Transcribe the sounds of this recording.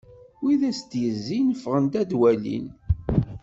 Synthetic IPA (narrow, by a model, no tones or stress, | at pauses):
wiðæst̪jəzːinəfːʁənt̪æd̪wælḭn